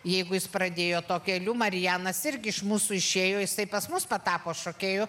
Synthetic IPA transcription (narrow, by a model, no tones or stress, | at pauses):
jɛɪɡʊjɪsprɐd̪ʲeːjoːt̪oːkʲɛlʲuːmɐɾʲɪjæːnɐsɪɾʲɡʲɪɪʃmuːsuɪʃʲeːjoːjɪsɐɪpɐsmʊspɐt̪ɑːpoːʃoːkʲeːjoː